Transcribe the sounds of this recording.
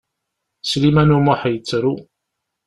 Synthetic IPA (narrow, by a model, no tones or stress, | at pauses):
slimænumoħəjət͡sːɾu